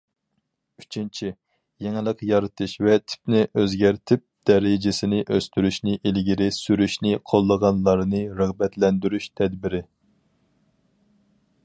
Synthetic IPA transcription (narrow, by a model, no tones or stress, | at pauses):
yt͡ʃʰint͡ʃʰi | jeŋɪlˠəqjɑɾɨt̪ʰɨʃvɛt̪ʰi̥p̚nɪʔøzɡʲæɾt̪ʰɪp̚d̪̥ɛɾɪd͡ʒɪsɪnɪʔøst̪yɾyʃnɪʔilɡʲiɾɪsyɾyʃnɪqʰolˠːəʁɑnlˠɑɾnɨɾəʁbɛt̪lɛnd̪yɾyʃt̪ʰɛd̪bɪɾɪ